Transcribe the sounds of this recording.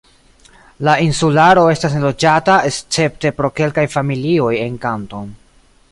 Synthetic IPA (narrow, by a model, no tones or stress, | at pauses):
lainsulaɾo̞e̞stas̬nelo̞d͡ʒatae̞st͡se̞p̚te̞pɾo̞ke̞lkajfamilio̞je̞nkanto̞n